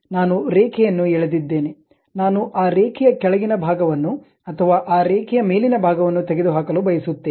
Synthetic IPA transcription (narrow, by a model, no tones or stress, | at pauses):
naːnuɾeːkʰɛjɐnːuɛɭed̪id̪ːe̞ːne | naːnuʔaːɾeːkʰɛjɐkɛɭɐɡinɐbʱaːɡɐʋɐnːu | ɐt̪ʰɐʋaːʔaːɾeːkʰɛjɐme̞ːlinɐbʱaːɡɐʋɐnːut̪eɡed̪uɦaːkɐlubɐjɐsut̪ːeː